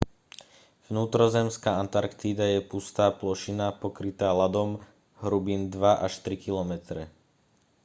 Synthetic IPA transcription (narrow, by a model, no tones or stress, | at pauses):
vnuːt̪ɾɔzɛmskaːant̪aɾkt̪id̪ajɛpust̪aːplɔʃinapɔkɾit̪aːlad̪ɔm | ɦɾubiːnd̪ʋaʔaʃt̪ɾikilɔmɛt̪ɾɛ